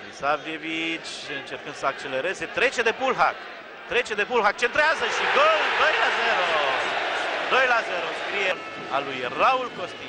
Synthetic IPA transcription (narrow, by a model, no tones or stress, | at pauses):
isavljevit͡ʃ | ɨnt͡ʃe̞rkɨnd̪̥səak̚t͡ʃe̞le̞ɾe̞ze̞t̪ɾe̞t͡ʃe̞d̪e̞pulɦa̰k | t̪ɾe̞t͡ʃe̞d̪e̞pulɦak̚t͡ʃe̞nt̪ɾeazəʃiɡold̪o̞jlaze̞ɾoo | d̪o̞jlaze̞ɾoskɾijel | alujraulkost̪i